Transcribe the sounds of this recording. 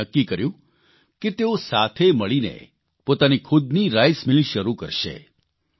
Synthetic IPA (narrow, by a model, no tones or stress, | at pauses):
əkːikəɾjũ | ket̪eosat̪ʰeməɭinḛ | pot̪anikʰʊd̪niɾajsmɪliʃəɾukəɾʃḛ